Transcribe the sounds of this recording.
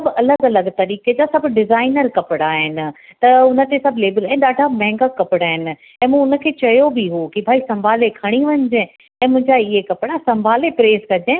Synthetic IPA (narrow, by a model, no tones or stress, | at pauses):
sɐbɐləɡɐləɡt̪ɐɾiːked͡ʑasɐbɖɪzaːɪnəɾkɐpɪɽaːɦɪnɪ̆t̪ɐʊnə̆t̪esɐbʱleːbəlaːɦɪ̃nɗaːɖʱamɛ̃ːŋɡakɐpɪɽaːɦɪnɪ̆ | ɛ̃ːmũːʊnə̆kʰeːt͡ɕɐjobiɦokibʱaːisɐ̃mbʱaːlekʰɐɽ̃iʋɐɲd͡ʑẽ | ɛ̃ːmʊ̃ɦɪ̃ɲd͡ʑaɪɦekɐpɪɽasɐ̃mbʱaːlepɾeːzkɐd͡ʑẽ